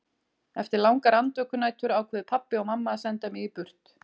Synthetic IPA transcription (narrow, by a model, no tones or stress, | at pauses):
ɛft̪ɪɾlawŋkaɾant̪vœːkʏnaːjt̪ʏɾaːwkʰvɛːðɪpʰapːɪɔɣmamːasɛnt̪amɪɣipʏr̥t̪